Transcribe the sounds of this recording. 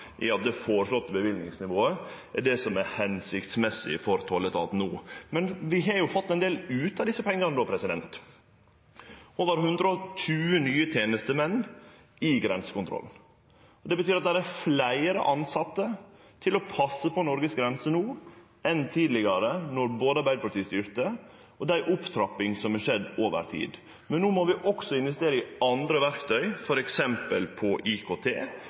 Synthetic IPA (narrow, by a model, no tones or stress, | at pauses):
ʔɪ̰ɑt̪̚d̪ɛfoːɾəʂlɔt̪ːəbəʋɪld̪nɪŋsnɪʋoːəɛɖɛsɔmæɾhɛnsɪkt̪smɛsːɪ̰fɔɾt̪ʰɔlːət̪ʰɑ̰ːt̪n̩uːmɛnʋɪɦɑɾjʊfɑt̪ːɛɪnd̪eːlʉːt̪ɑd̪ɪsːəpʰɛŋːənəd̪oːpʰɾɛsɪd̪ɛnt̪ | ɔʋɑɾɦʉnd̪ɾəɔtʉːənyːət̪ʰjeːnəst̪əmɛnː | ɪɡɾɛnsə̥kʊnt̪ʰɾɔ̰ln̩ | ɔd̪ɛbət̪yːɾɑt̪̚d̪æɾæɾflæɪɾə̰ʔɑnsɑt̪ːə | t̪ʰɪlɔpʰɑsːəpʰɔnɔɾɡəsɡɾɛnsənuː | ɛnt̪ʰiːd̪lɪɡɑɾənɔɾboːd̪əɑɾbæɪd̪əpʰɑʈt̪iːst̪yːɾt̪ə | ɔd̪æɪʔʊpt̪ʰɾɑpːɪŋsɔmhɑʂɛd̪ːoːʋə̰ɾt̪ʰḭːd̪ | mɛnːuːmɔʋɪʔɔksɔɪnʋɛst̪eːɾəɪɑnd̪ɾəʋæɾkt̪ʰœʏfɔɾɛksɛmpəlpʰɔʔikʰoːt̪ʰḛː